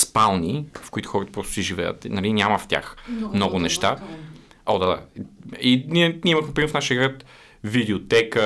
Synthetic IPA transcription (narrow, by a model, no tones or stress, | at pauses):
spalˠnifkʊit̪ʊ̥xɔɾət̪ə̥pɾɔst̪ʊ̥sɛʒivɛjə̰t̪nɐlinʲaməft̪ʲa̰xmnɔɡʊnɛʃt̪a | ɔd̪ad̪a̰iniɛnʲiiməxmɛpɾimɛɾfnaʃijəɡɾat̪ | vid̪ɛot̪ɛkə